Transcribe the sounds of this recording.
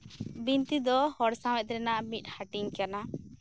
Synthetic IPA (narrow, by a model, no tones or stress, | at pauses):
bint̪id̪ɔhɔɽsãw̃ɛt̪̚ɾɛnaʔmit̪̚ˀhaʈiɲkana